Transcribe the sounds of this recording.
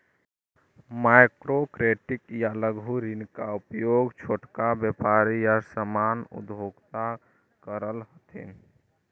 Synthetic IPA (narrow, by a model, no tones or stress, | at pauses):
majkɾokɾeʈikjaləɡʱɦuɾinkaupjoɡt͡ʃʰoʈkabjəpaɾijasəmanṵd̪bʱoɡt̪a | kəɾəlɦət̪ʰḭn